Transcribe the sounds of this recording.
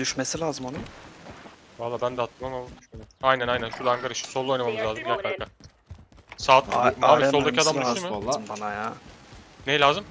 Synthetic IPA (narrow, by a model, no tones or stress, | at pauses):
d̪yʃme̞silʲaːzɯmonu | valˠːaːbænd̪ɛat̪ʰːɯmamaajnænajnænʃuɾlaŋkʰaɾɯʃɯ̥solˠːojnamamɯzlʲˠaːzɯmɟæɾkaɾkʰa | saːt̪aːmiolˠd̪aciad̪amomɯɯmbanaja | nejilʲaːzɯm